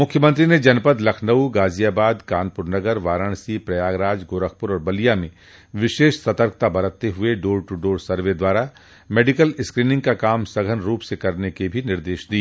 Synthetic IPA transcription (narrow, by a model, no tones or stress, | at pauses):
mʊkʰːjəmə̃nt̪ɾined͡ʒɐnpəd̪lɐkʰnəwɡaːzijaːbaːd̪kaːnpʊɾnɐɡəɾʋaːɾəɽ̃sipɾɐjaːɡɾaːd͡ʒɡoːɾək̚ʰpʊɾɔːɾbɐlijamẽ | ʋɪʃeːʃsɐt̪əɾkʰt̪abɐɾət̪ːeɦʊeɖoːɾʈuɖoːɾsɐɾʋed̪waːɾa | meːɖɪkəlɪskɾiːnɪ̃ŋɡ̚kakaːmsɐɡʱənɾuːpsekɐɾnekebʱinɪɾd̪eːʃd̪i